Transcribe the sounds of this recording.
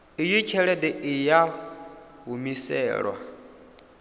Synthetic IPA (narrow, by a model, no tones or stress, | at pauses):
ijit͡ʃʰɛɺɛdɛija | ɦumisɛ̰ːɺwa̰